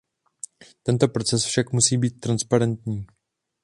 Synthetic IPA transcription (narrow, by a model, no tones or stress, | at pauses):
t̪ɛnt̪o̞pɾo̞t͡sɛsfʃakmusiːbiːt̪̚ːɾanspaɾɛnt̪ɲiː